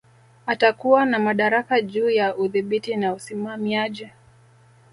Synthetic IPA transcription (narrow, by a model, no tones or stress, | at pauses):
atakuwanamaɗaɾakaʄuːjaʔuðiɓitinausimamiaʄi